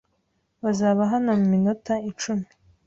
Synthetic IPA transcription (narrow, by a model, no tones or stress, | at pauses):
βazaːβaɦanamuminutait͡ʃumi̥